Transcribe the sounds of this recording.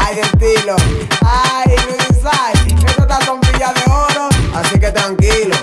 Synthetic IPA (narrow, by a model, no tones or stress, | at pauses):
ajðelt̪iloajmeesajnet̪at̪akompiʎaðeɔɾoasik̬et̪ɾaŋkilo